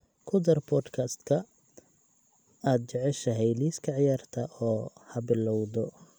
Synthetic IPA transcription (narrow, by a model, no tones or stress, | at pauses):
kʰʊd̪ɐrbʰɔːd̪kʰɐst̪kʰɐ | aːd̪̚t͡ʃɛʕɛʃɐɦɛjliːskʰɐʕɪjaːrt̪ʰɐʔɔːhɐbɪlɔwd̪ɔ